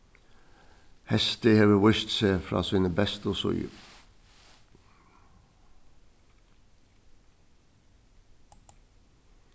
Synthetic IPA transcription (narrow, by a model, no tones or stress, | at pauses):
hɛst̪ɪheʋəwɪʃt̪seːfɾɑ̰ːsiːnəbɛst̪osɔ̰ʏ̰